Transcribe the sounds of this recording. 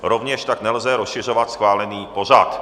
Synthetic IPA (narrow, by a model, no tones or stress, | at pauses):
ɾovɲɛʃt̪aknɛlzɛɾosʃɪrovat̪sxvaːlɛniːpo̞r̝at̪